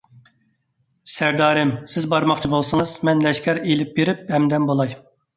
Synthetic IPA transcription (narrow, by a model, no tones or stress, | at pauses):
sæɾd̪ɑːɾɪmsɪzbɑɾmɑχt͡ʃʰibolˠsɨŋɨzmɛnlɛʃkʲɛɾelɪp̚beɾɪp̚hɛmd̪ɛmbolˠɑj